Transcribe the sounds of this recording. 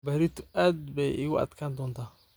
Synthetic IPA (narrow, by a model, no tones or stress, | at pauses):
baɾɪt̪aːd̪bɛjʔɪɣʊʔɐ̰d̪kʰand̪ɔːnt̪ʰaː